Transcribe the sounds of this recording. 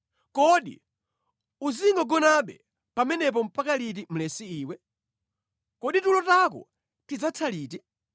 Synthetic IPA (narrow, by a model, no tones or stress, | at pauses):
kɔɗḭ | uziŋɡɔɡɔnaɓɛ̰ | pamɛnɛp̬ɔm̩pakalit̬im̩lɛsiiːwɛ | kɔɗitulɔtakɔ̰ | tid͡zatʰaliːti